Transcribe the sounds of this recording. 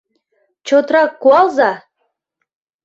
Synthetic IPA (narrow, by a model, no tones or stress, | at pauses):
t͡ɕot̪ɾɑkːuɑlˠzɑ